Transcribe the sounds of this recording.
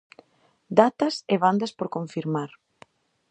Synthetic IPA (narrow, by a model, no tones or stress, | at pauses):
d̪at̪ɐseβand̪ɐspoɾkoɱfiɾmaɾ